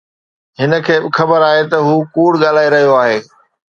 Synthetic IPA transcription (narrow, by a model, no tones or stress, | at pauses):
ɦɪnə̆kʰeːbɪxɐbəɾaːɦet̪ɐɦuːkuːɽɠaːl̤aːiɾɐɦijoaːɦeː